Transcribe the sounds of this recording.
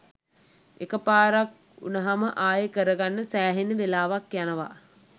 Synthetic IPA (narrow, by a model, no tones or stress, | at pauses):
ekəpaːɾak | ṵnəɦaməʔaːjəkəɾəɡanːəsæːɦenəʋelaːʋakjanəʋa̰